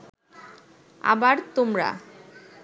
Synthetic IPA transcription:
a̰baɾt̪omɾa̰

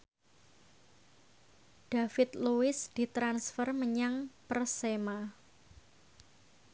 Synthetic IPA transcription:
d̥afɪt̪̚luɪsd̥i̤t̪ɾansfərməɲaŋpərsema

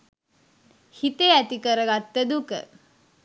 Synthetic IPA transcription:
hit̪eæt̪ikəɾəɡat̪ːəd̪ukə̰

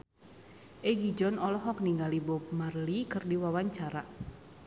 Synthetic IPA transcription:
ʔɛɡid͡ʒɔnɔlɔɦɔk̚niŋɡalibɔp̚marlikɨrdiwawaɲt͡ʃaɾa

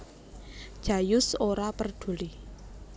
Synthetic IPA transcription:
d͡ʒ̥a̤jʊsoɾapərd̪̥o̤li

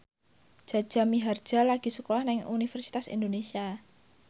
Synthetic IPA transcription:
ʒ̥a̤d̥ʒ̥a̤miɦard̥ʒ̥a̤laɡ̥i̤səkolahnɪŋṵnifɛrsi̥t̪asḭnd̪onesia

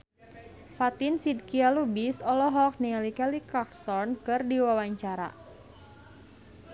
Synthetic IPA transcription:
fat̪insid̪̚kialubisɔlɔɦɔk̚nialikɛlikɾaksɔrnkɨrdiwawaɲt͡ʃaɾa̰

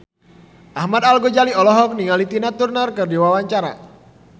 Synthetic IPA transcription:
ʔahmad̪alɡod͡ʒaliɔlɔɦɔk̚niŋalit̪inat̪urnərkɨrdiwawaɲt͡ʃaɾa̰

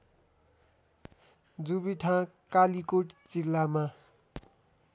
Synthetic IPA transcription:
d͡zubiʈʰãkalikoʈt͡silːama

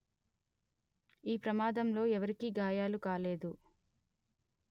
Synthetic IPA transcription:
iːpɾɐmaːd̪ɐmlo̞ːɛʋɐɾikiɡaːjaːlukaːle̞ːd̪u

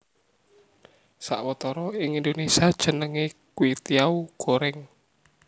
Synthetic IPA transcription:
sa̰ʔwət̪ɔɾɔɪŋind̪onesiad̥ʒ̥ə̤nəŋekwit̪iauɡ̥oɾɛŋ

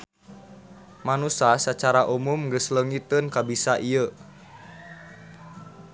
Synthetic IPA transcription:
manusasət͡ʃaɾaʔumumŋɡəsləŋit̪ənkabisaʔiə

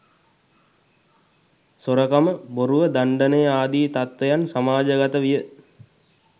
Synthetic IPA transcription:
soɾəkaməboɾuʋəd̪aɳɖənejaːd̪iːt̪at̪ʋejansamaːd͡ʒəɡat̪əʋijə

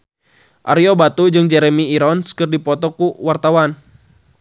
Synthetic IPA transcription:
ʔaɾiɔbat̪ud͡ʒɨŋd͡ʒɛɾɛmiːɾɔnskɨrdipɔt̪ɔkuwart̪awan

